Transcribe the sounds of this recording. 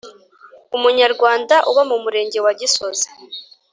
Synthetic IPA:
umuɲaɾɡwaːndaʔuβamumuɾe̞ːɲɟe̞waɟiso̞zi̥

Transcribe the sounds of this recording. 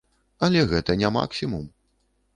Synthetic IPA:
ɐlʲɛɣɛt̪ɐnʲama̰ksʲimum

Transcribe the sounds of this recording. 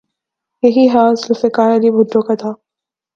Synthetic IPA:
jɐɦiɦaːslʊfekaːɾɐliːbʊɖːõkat̪ʰaː

